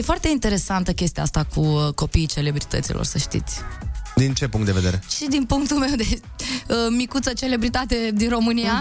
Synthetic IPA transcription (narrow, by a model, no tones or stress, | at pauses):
jefoart̪e̞int̪e̞ɾe̞sant̪əkʲe̞st̪iast̪akʰuko̞piːt͡ʃe̞le̞bɾit̪ə̰t̪sḭlʔo̰rsəʃt̪ḭt̪sʲd̪int͡ʃe̞puŋkt̪d̪e̞ve̞d̪e̞ɾeʃid̪inpuŋk̚t̪ulmewd̪e | əmikut̪sət͡ʃe̞le̞bɾit̪at̪e̞d̪inro̞mɨnija